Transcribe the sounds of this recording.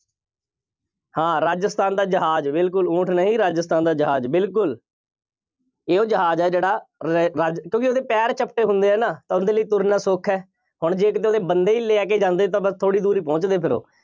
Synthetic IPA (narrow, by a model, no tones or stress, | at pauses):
hãːɾaːd͡ʒəst̪aːnd̪aːd͡ʒəɦaːd͡ʒbɪlkʊlũːʈʰnəɦĩːɾaːd͡ʒəst̪aːnd̪aːd͡ʒəɦa̰ːd͡ʒbɪlkʊl | eːoːd͡ʒəɦaːd͡ʒɛːd͡ʒeːɽaːɾaːd͡ʒkjõːk̬ioːd̪eːpɛːɾt͡ʃəpʈeːɦʊ̃nd̪eːɦɛːnaːt̪ãːʊnd̪eːləiːt̪ʊɾnãːsʊkʰɛː | hʊɳd͡ʒeːkət̪̬eoːd̪eːbənd̪eːiːleːɛːk̬eːd͡ʒãːnd̪eːt̪̬ãːbəst̪ʰoːɽiːd̪uːɾiːpɔ̃ːt͡ʃd̪eːpʰɪɾo̰ː